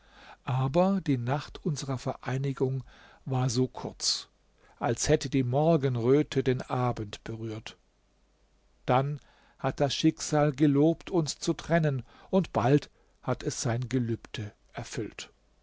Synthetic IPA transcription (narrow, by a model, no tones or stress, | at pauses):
ʔaːbɐdiːnaχtʔʊnzəʁɐfɛɐʔaɪnɪɡʊŋ | vaːɐzoːkʰʊɐt͡s | ʔalshɛtədiːmɔɐɡənʁøːtʰədeːnʔaːbən̩tb̥əʁyːɐt | d̥an | hat̚d̥asʃɪkz̥aːlɡəloːptʰʊnst͡sutʁ̥ɛnən | ʔʊntb̥alt | hatʰɛsz̥aɪnɡəlyːptʰə | ʔɛɐfʏlt